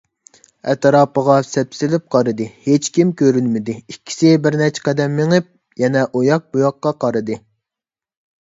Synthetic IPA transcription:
ɛt̪ɾɑːpəʁɑsɛpsɪlɪp̚qʰɑɾɨd̪ɨhet͡ʃkʲimkʲøɾynmɪd̪ɪikʲʰːi̥sɪbɪɾnɛt͡ʃʰqɛd̪ɛmːeŋɨp̚ | jɛnɛʔojɑq̚bujɑqːɑqɑɾɨd̪ɨ

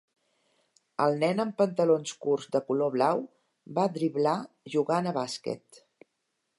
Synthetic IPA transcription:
ə̰lˠnɛnəmpənt̪əlonskurzd̪əkuloβlaw | bad̪ɾiβla | ʒuɣanəβaskɛ̰t̪

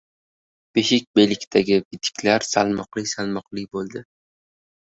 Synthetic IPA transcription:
b̥eʃɪkʲbe̞lɪkʲt̪ʰaɡʲɪbɪt̪ʰɪ̥kʲlaɾsalˠmɒqlɪkʲsalmɒqlɪkʲbolˠd̪ɪ

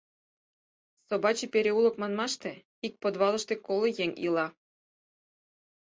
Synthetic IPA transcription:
sobɑt͡ɕipʲeɾʲeulˠɤ̆kmɑnmɑʃt̪ĕ | ik̚pod̪βɑlˠɤ̆ʃt̪ekolˠŏjeŋʲḭlɑ

